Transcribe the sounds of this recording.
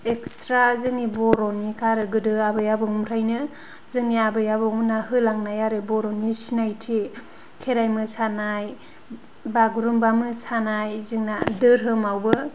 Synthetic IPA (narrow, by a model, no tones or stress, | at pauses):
ekstɾazɯŋnibɔɾɔnikʰaɾɯɡɯdɯabɯjabɯŋumtʰajnɯ | zɯŋniabɯjabɯŋunahɯlaŋnajaɾɯbɔɾɔnisinajtʰe | kʰeɾajmɯsanaj | baɡɾumbamɯsanajzɯŋnadɯɾɦɯmawbɯ